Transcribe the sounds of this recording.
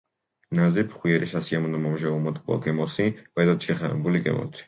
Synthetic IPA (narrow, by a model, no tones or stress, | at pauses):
nazɛpʰχwiɛɾʔisasiamɔnamɔmʒɛɔmɔt̪kʼua̰ɡɛmɔsivɛd̪at͡ʃʰʼɛχɛɛbuliɡɛ̰mɔ̰t̪ʰi̥